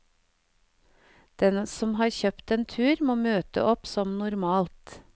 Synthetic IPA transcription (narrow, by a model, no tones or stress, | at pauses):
d̪̥ɛnsɔmhɑːɾçœpt̪eːnt̪ʰʉːɾmoːmøːt̪ə̰ʔɔpsɔmnʊɾmɑːlt̪